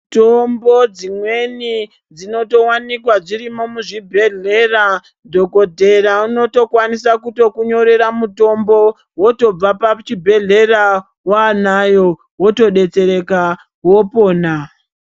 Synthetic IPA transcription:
tombo̞d͡zimwe̞ni | d͡zino̞to̞wanikwaʐiɾimo̞muʐibʱe̞ɮe̞ːra | dʱo̞ko̞dʱe̞ɾauno̞to̞kwanisakuto̞kuɲoɾe̞ɾamuto̞mbo̞ | woto̞b͡vapat͡ʃibʱe̞ɮe̞ra | wanajo̞ | wo̞to̞ɗe̞t͡se̞ɾe̞ka | wo̞po̞ːna

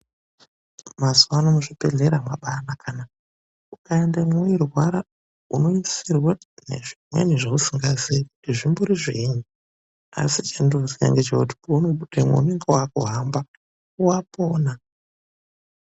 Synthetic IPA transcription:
mazuwanomuʐipeɮeɾamaɓanakʰana | ukaendemwoirwaɾa | uno̞isirwanḛʐimwḛɲeʐausiŋɡazeku̥tiʐimboɾiʐiɲu | a̰sit͡ʃendoziɲa̰ŋɡet͡ʃekuti̥pounoɓutemwḛune̞ŋɡewaakṵɦamba | uwapoːna

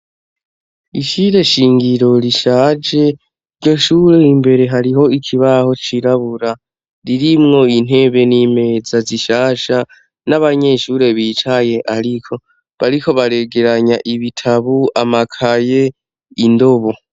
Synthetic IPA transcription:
iʃiɾe̞ʃiːŋɡiɾo̞ɾiʃaːd͡ʒe̞ | iɾɟo̞ʃuːɾe̞imbe̞ɾe̞ɦaɾiɦo̞ikʰiβaho̞t͡ʃiɾaβuɾa | ɾiɾimŋo̞in̥he̞ːβe̞niːme̞zaziʃaːʃa | naβaɲe̞ʃuːɾe̞βit͡ʃaje̞ʔaɾikʰo̞ | βaɾikʰo̞βaɾe̞ɡe̞ɾaɲaʔiβitʰaβuamakʰaje̞ | indo̞βo

